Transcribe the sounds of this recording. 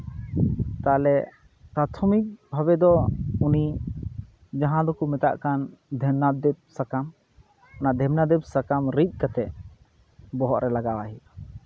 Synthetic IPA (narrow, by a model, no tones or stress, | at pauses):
t̪alɛ | pɾat̪ʰɔmik̚bʱaβɛd̪ɔuni | d͡ʒãɦãd̪ɔkumɛt̪a̰ʔkand̪ʱɛmnad̪ɛp̚sakam | anad̪ʱɛmnad̪ɛp̚sakamɾit̪̚ˀkat̪ɛʔ | bɔɦɔʔɾɛlaɡawaɦi